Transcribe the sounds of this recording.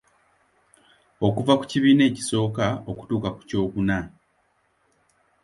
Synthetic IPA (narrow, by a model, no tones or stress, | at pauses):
o̞kuvaku̥ciβiːne̞ːci̥so̞ːkao̞ku̥tuːkaku̥co̞ːkuna